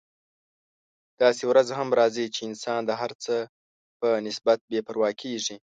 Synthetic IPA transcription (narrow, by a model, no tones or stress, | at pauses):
d̪̥ɑsewɾazɦamɾɑzit͡ʃeɪnsɑnd̪əɦaɾt͡sə | pənɪsbat̪̚bepəɾwɑkʰeʐi